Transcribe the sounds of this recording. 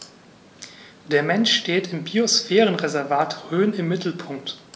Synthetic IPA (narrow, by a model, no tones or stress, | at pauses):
d̥eːɐmɛnʃteːtɪmbiosfɛːʁənʁezɛɐvaːtʁøːnɪmːɪtʰl̩pʰʊŋk̚t